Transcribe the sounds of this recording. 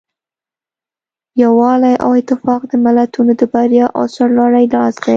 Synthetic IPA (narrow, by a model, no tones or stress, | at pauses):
jawɑlajʔa̰wɪt̪ɪfɑqd̪əmalat̪unod̪əbaɾjɑʔɑ̰sɑɾlɑɽajlɑsd̪aj